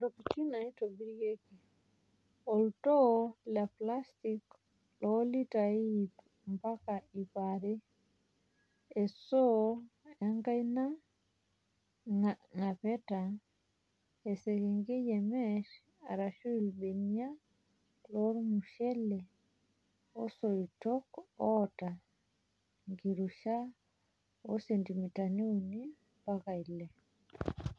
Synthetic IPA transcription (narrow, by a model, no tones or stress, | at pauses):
ɾoput͡ʃinaitobiɾɡeki | ɔltɔlaplastik | lɔlitaip | mpakaipaɾɛ | ɛsɔ | aŋɡajna | ŋapɛta | esekeŋɡejɛmɛʃ | aɾaʃuilɓenia | loɾmuʃɛle | osoitɔkɔta | ŋɡiɾuʃa | osendimitaniuni | pakaile